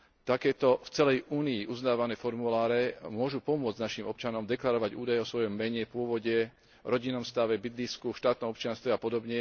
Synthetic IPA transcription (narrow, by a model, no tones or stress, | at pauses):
t̪akɛːt̪ɔft͡sɛlɛjʔuːniːʔuznaːʋanɛːfɔɾmulaːɾɛmʊɔʒupɔmʊɔd͡znaʃimɔp̚t͡ʃanɔmd̪ɛklaɾɔʋaɟuːd̪ajɛɔsʋɔjɔmːɛɲɛpʊɔʋɔɟɛ | ɾɔɟinːɔmst̪aʋɛbit̪liskuʃt̪aːt̪nɔmɔpt͡ʃɪanst̪ʋɛapɔd̪ɔbɲɛ